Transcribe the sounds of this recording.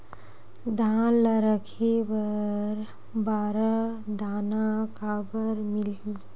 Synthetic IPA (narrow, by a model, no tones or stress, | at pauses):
d̪ʱanləɾəkʰebəɾ | baɾəd̪ʱanakabəɾmilɦi